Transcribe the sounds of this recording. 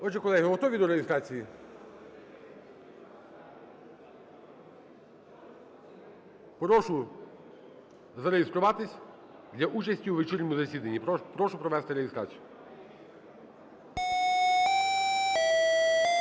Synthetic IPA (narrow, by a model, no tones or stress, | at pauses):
ɔd͡ʒɛkɔlˠɛɦɪɦɔt̪ɔʋʲid̪ɔɾejɪst̪ɾɑt͡sʲiji | pɾɔʃʊ | zɐɾejest̪ɾʊʋɑt̪ɪsʲ | d̪lʲɐʔut͡ʃɐsʲtʲiwʋet͡ʃirʲnʲɔmʊzɐsʲid̪ɐnʲːippɾɔʃʊpɾɔʋɛst̪ɪɾejɪst̪ɾa̰t͡sʲijʊ